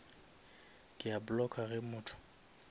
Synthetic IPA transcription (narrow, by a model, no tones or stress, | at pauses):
kʼɪabʊlɔkʼaɣɪmʊːtʰʊ̥